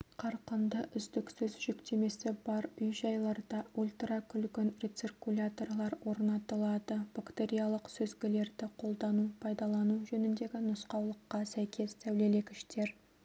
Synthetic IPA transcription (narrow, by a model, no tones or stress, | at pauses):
qʰɑɾqənd̪əʔʏzd̪ɪksʏzʒʏkt̪e̞me̞sɪbɑɾʏjʒɑjlˠɑɾd̪ɑulʲt̪rakʲʰʏlɡʲɪnɾe̞t̪sirkulʲat̪orlˠɑɾwo̞ɾnɑt̪əlˠɑd̪əb̥akt̪eɾʲijalˠəqsɵzɡʲɪle̞ɾd̪ɪqʰo̞lˠd̪ɑnupʰɑjd̪ɑlˠɑnuʒɵnɪnd̪e̞ɡʲɪnʊsqɑwlˠəqːɑsæjkʲʰe̞st̪ʰæwle̞le̞kʲɪ̥ʃt̪e̞ɾ